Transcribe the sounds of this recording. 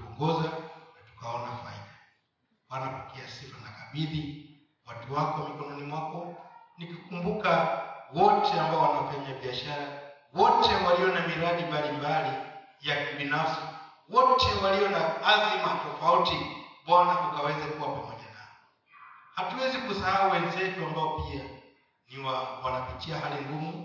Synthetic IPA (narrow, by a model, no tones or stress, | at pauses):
tuɔŋɡɔzanatu̥kaɔnafaḭɗa | ɓwanapɔkɛasifanakaɓiði | watuwakɔwamikɔnɔnimwakɔnikikumbukawɔtɛambaɔwanafaɲaɓiaʃaɾa | wɔtɛwaliɔnamiɾaɗimbalimbali | jakibinafsiwɔtɛwaliɔnaazimatɔfautiɓwanakukawɛzakuwapamɔʄanaɔ | hatuwɛzikusahawuwɛnzɛkuambaɔpia | niwawanapitiaɦalindumu